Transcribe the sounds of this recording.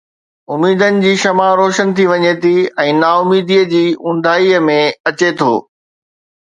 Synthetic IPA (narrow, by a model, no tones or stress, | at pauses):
ʊmiːd̪ənɪ̆d͡ʑiːʃɐmaɾoːʃənɪt̪ʰiʋɐɲet̪ʰiɛ̃ːnaːʊmiːd̪iːəd͡ʑiːʊ̃n̆d̪ʱaːiəmẽɐt͡ɕet̪ʰo̰ː